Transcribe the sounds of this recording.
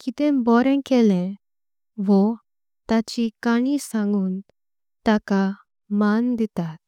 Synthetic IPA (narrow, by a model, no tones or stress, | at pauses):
kit̪ɛ̃bɔɾɛ̃kɛlɛ̃ | ʋɔ | t̪at͡ɕikaɽ̃isãŋɡun | t̪aka | mand̪it̪at̪̚